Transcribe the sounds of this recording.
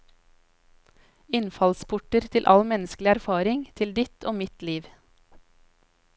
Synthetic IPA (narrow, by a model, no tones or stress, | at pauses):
ɪnfɑlspʰʊʈəɾt̪ʰɪlʔɑ̰lmɛnəsklɪæɾfɑːɾɪŋt̪ʰɪld̪ɪt̪ʰoːmɪt̪liːʋ